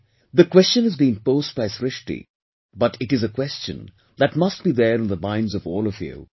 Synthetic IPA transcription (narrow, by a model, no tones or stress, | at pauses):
ðəkwɛst͡ʃə̃nɨzbiːɪ̃ŋpoːzd̚baɪsɾɪʃʈḭ | bʌʈʰɪʈɨzəkwɛst͡ʃə̰̃n | d̪æʈmʌsʈ̚b̥iðəɾɨ̃nðəmãɪ̃nzʌvɔːlɔvjṵ